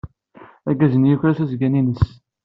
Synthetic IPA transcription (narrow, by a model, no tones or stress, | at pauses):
æɡæzənjuçɾæθæzɡæninəs